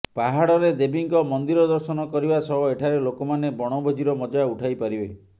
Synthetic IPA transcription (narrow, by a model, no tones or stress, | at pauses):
paɦaɽɔɾed̪ebiŋkɔmɔnd̪iɾɔd̪ɔɾsɔnɔkɔɾibasɔɦɔeʈʰaɾelokɔmanebɔɽ̃ɔbʱod͡ʒiɾɔmɔd͡ʒauʈʰajpaɾibe